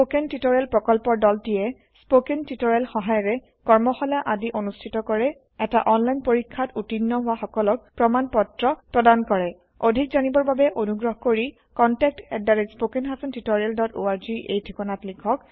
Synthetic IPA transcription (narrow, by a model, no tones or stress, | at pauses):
pokentitɔɹɛlpɹɔkɔlpɔɹdɔltiɛ | spokentitɔɹɛlxɔɦajɔɹɛ | kɔɹmɔxɔlaʔadiʔonustʰitɔkɔɹɛ | ɛtaʔɔnlajnpoɹikʰːatutinːɔɦʊwaxɔkɔlɔk̚pɹɔmanpɔtɹɔpɹɔdankɔɹɛ | odʱik̚zanibɔɹbabɛʔonuɡɹɔɦɔkoɹi | kɔntɛk̚tɛ̰daɹespokenɦasɔntitɔɹialdɔtoaɹziʔḛjdʱikɔnatlikʰɔk